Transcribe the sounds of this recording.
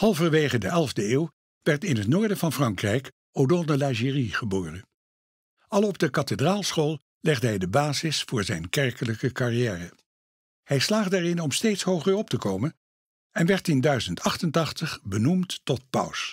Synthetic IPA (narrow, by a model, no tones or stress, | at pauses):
hɑlˠvəɹʋejχədəʔɛlˠvdəeːw | ʋɛɹtɪnɦətnʊːɹdəvɑnfrɑŋkrɛjk | odɔlˠdəlaʒiriχəboːrə | ɑlˠɔb̚dəkɑtədraːlˠsχoːlˠ | lɛχdəɦɛjdəbaːzɪsfʊːɹzɛjnkɛɹkələkəkɑrijɛːrə | hɛjslaːχdəɛɹɪnɔmstejtsɦowχəɹɔp̚təkowmən | ɛnʋɛɹtɪndœɥzəntɑχtəntɑχtəχbənumtːɔt̚pʌ̰ws